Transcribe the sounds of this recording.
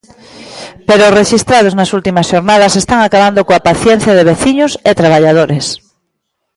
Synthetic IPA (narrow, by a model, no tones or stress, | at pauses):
peɾoːsreʃist̪ɾað̞oznasult̪imasʃoɾnað̞asest̪aŋakaβ̞and̪okoapaθjen̟θjað̞eβ̞eθiɲoset̪ɾaβ̞aʎað̞oɾes